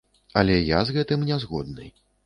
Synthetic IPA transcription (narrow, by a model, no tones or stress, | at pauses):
ɐlʲɛja̰zɣɛt̪ɨmnʲɛzɣɔd̪̚nɨ̰j